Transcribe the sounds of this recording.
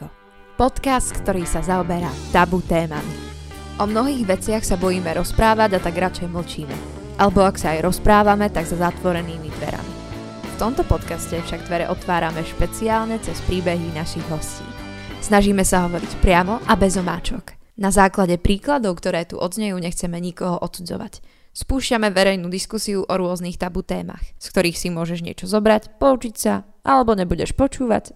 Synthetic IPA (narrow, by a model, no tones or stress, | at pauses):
pɔt̪kast̪kt̪ɔɾiːsazaɔbɛɾat̪abut̪ɛːma̰miʔɔmnɔɦiːɣʋɛt͡sɪaxsabɔjiːmɛɾɔspɾaːʋaɟat̪aɡɾat͡ʃɛjml̩t͡ʃiːmɛ̰ | ʔalɛbɔaksaajɾɔspɾaːʋamɛt̪aɡzazat̪ʋɔɾɛniːmid̪ʋɛ̰ɾa̰mi | ft̪ɔmt̪ɔpɔt̪kascɛfʃaɡd̪ʋɛɾɛʔɔt̪ʋaːɾamɛʃpɛt͡siaːlɲɛt͡sɛspɾiːbɛɦinaʃiɣɦɔscḭː | snaʒiːmɛsaɦɔʋɔɾicpɾɪamɔʔabɛzɔma̰ːt͡ʃɔknazaːklaɟɛpɾiːklad̪ɔʊkt̪ɔɾɛːt̪ṵʔɔd̪zɲɛjuːɲɛxt͡sɛmɛɲikɔɦɔʔɔt̪t͡sud͡zɔ̰ʋa̰c | spuːʃcamɛʋɛɾɛjnuːd̪iskusiuʔɔɾʊɔzniːxt̪abut̪ɛːma̰xskt̪ɔɾiːxsimʊɔʒɛʒɲɪɛ̰t͡ʃɔzɔbɾacpɔut͡ʃicsa | ʔalɛbɔɲɛbuɟɛʃpɔt͡ʃuːʋa̰c